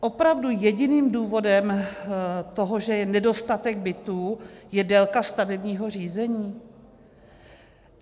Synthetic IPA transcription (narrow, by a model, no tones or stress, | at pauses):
ʔo̞pɾavdujɛɟɪniːmduːvo̞dɛm | t̪o̞ɦo̞ʒɛjɛnɛdo̞st̪at̪ɛɡ̚bɪt̪uːjɛdɛlkast̪avɛbɲiːɦo̞r̝iːzɛɲiː